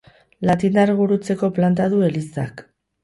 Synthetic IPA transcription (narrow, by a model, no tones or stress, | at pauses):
lat̪ind̪aɾɣuɾut͡se̞ko̞plant̪aðue̞lisa̰k